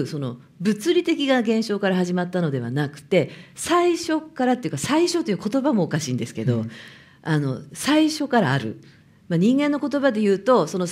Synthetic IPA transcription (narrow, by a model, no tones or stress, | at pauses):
so̞no̞ | bɯ̟t͡sɨɾʲit̪e̞kʲiɡaɡẽ̞ɰ̃ɕo̞ːkaɾaɦaʑimat̪ːano̞d̪e̞β̞a̰nakɯ̟̥t̪e̞saiɕo̞kaɾat̪ːe̞iɯ̟kasaiɕo̞t̪o̞jɯ̟ko̞t̪o̞bamo̞ːkaɕḭːnd̪e̞sɨ̥ke̞d̪o̞̰ | ano̞̰saiɕo̞kaɾaːɾɯ̟̰ | maɲ̟ĩŋɡe̞nːo̞ko̞t̪o̞bad̪e̞jɯ̟ːt̪o̞so̞no̞